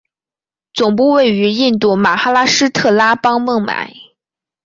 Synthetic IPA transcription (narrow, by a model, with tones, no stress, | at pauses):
t͡sʊ˨˩ŋp̬u˥˧we˥˩ɪy˧˥i˥˧nt̪u˥˩ma˨˩xa˥la˥ʂɻ̩˥t̪ʰɤ˥˩la˥pɑ˥ŋmɤ˥˩ŋma̰˨˩˦ɪ